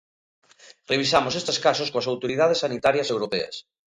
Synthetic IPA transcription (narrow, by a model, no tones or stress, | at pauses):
reβisamosest̪eskasoskoasawt̪oɾið̞að̞esːanit̪aɾjɐsewɾopeɐ̰s